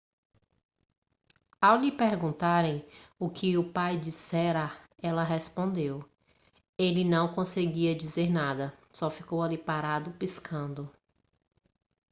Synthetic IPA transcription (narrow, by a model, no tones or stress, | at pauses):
awlɪpeɾɡũnt̪aɾẽj̃ʊkʰɪʊpajd͡ʒisɛɾɐ | ɛlɐɦespõnd̪ew | elɪnɐ̃w̃kõseɡiɐd͡ʒizeɾnad̪ɐsɔfikowalipaɾad̪ʊpiskʰɐ̃nd̪ʊ